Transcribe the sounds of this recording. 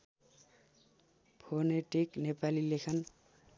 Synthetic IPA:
pʰoneʈiknepalilekʰʌn

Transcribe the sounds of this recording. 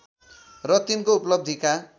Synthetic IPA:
rʌt̪inkouplʌb̚d̪ʱika

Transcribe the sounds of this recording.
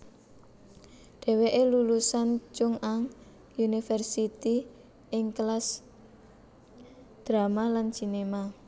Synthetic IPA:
ɖ̥ɛ̤weʔelulusant͡ʃʊŋaŋ | unifɛrsit̪i | ɪŋklas | d̪̥ɾamalant͡ʃinema

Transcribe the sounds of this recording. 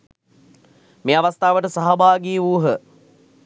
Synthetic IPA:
meːaʋast̪aːʋəʈəsaɦabaːɡiːuːɦə

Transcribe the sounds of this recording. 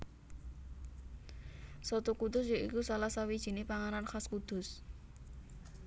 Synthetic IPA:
sɔt̪ukud̪ʊsjoʔḭkusalahsawid̥ʒ̥i̤nepaŋananxaskud̪̥ʊ̤s

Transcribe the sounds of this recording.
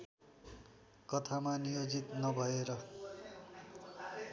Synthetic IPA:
kʌt̪ʰamanijod͡zit̪nʌbʱʌeɾʌ

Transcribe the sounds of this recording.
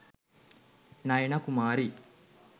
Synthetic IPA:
nɐjenakumaːɾi

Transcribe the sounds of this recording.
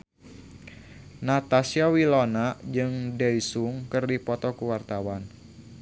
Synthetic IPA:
nat̪asiawilonad͡ʒɨŋdɛisuŋkɨrdipɔt̪ɔkuwart̪awan

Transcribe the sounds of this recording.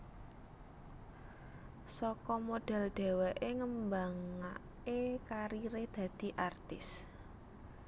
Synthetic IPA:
sɔkɔmoɖ̥ɛ̤lɖ̪̥ɛ̤wɛʔeŋəmbaŋa | kekaɾiɾed̪̥ä̤d̪̥i̤ʔart̪ɪs

